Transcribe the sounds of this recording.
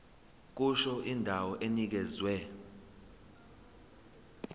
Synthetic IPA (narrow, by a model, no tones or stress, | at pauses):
k̬uʃɔʔindʱawɔʔenik̬ɛzwɛ